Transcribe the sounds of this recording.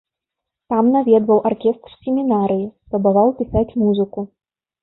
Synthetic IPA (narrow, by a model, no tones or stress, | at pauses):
t̪amnavʲɛd̪vɐwʔarkʲɛst̪rsʲemʲinaɾɨjisspɾɐbavawpʲisat͡sʲmuzɨku